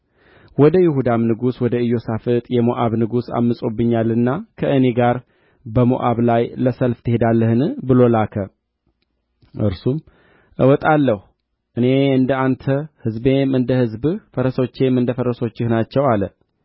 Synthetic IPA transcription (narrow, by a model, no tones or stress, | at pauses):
wɔd̪əjɪhud̪amnɨɡuswɔd̪əɨjo̞safɨt̪ʼjɛmoʔaβnɨɡusa̰mːɨsʼo̞bːɨɲːalɨnːakʰəʔɨne̞ɡaɾ | bəmo̰ʔaβlajləsəlft̪ʰɨhe̞d̪alːəhɨnbɨlo̞lakʰə | ʔɨ̰ɾsum | ʔɨwɔt̪ʼalːəhu | ʔɨne̞ɨnd̪əant̪ʰəhɨzbe̞mɨnd̪əhɨzbɨfəɾəso̞t͡ʃːe̞mːɨnd̪əfəɾəso̞t͡ʃːɪhnat͡ʃːɛwalə